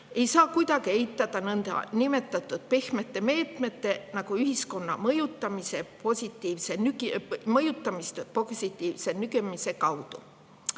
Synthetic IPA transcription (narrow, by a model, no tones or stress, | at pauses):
e̞jsɑːkujd̪̥ɑɡ̥ie̞jt̪ːˑɑd̪̥ɑnɤnd̪ɑ̰nime̞t̪ːˑɑt̪ːˑud̪̥̚pehmet̪ːe̞me̞ːt̪me̞t̪ːe̞nɑɡ̥uyɦisko̞nːɑ̰mɤjut̪ːˑɑmise̞po̞sʲit̪ˑːiːvse̞nykmɤjut̪ːˑɑmist̪po̞ɡsit̪ˑːiːvse̞nyɡemise̞kɑwd̪̥u